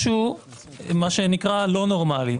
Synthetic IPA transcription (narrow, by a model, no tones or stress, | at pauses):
ʃu | maʃenikʁalo̞noʁmali